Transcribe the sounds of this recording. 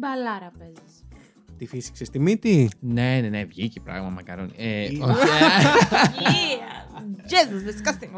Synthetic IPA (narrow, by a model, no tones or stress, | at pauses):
bɐlɐɾɐpezɐs | t̪ifisi̥ksest̪imit̪inenenevʝicipɾɐ̰ɣmɐmɐkɐɾonieo | ʝezuzðiskɐst̪ĩŋ